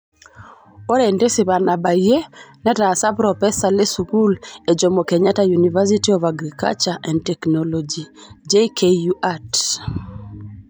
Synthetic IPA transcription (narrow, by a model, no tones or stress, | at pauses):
oɾendesiβanabajenɛtaːsapɾɔpɛsalesukuled͡ʒɔmokɛɲatajunivas̬itiɔvaɡɾika̰lt͡ʃaʔɛndtɛknɔlɔd͡ʒid͡ʒekʰejuʔat